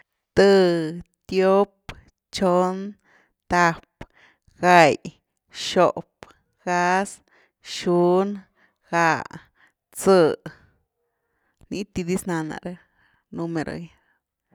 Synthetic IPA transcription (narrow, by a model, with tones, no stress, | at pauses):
t̪ɨ˧t̪jo˦p | t͡ʃo˦n | t̪a˧p | ɡa˧j | ʃo˨p | ɡa˦˧s | ʃu˦n | xa˧ | t͡sɨ˧ | ni˦t̪i˧d̪i˦sna˧na̰˨˧ɾa˦ | nu˧me˧ɾo̰˨j